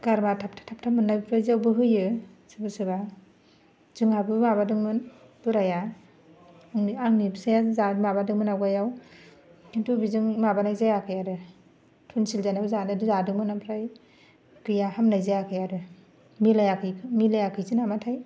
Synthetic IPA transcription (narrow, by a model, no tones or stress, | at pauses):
ɡ̥aɾmatʰap̚tʰḁtʰap̚tʰamɯnabpʰɾajzawbɯɦɯjɯsɯbasɯba | z̥ɯŋhabɯmabadɯŋmɯn | b̥ɯɾaja | ŋniaŋnibsajazamabadɯŋmɯnawɡajaw | kʰintʰubizɯŋmabanajzajakʰɯjaɾɯ | tʰunsilzanabɯzanadɯzadɯŋmɯnampʰɾaj | kɯjahamnajzajakʰɯjaɾɯ | milajakʰɯjkʰɯmilajakʰɯjzinamatʰaj